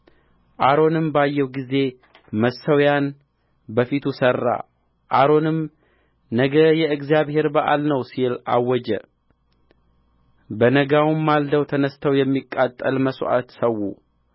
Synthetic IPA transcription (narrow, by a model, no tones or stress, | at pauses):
ʔaɾo̞nɨmbajːɛwɡize̞ | məsːəwjan | bəfit̪ʰusərːa̰ | ʔaɾo̞nɨm | nəɡəjɛɨɡzijaβhe̞ɾbəʔa̰lnəwsila̰wːɔd͡ʒɛ̰ | bənəɡawumːald̪əwt̪ʰənəst̪ʰəwjɛmːikʼːat̪ʼːəlməsʔa̰t̪səwːṵ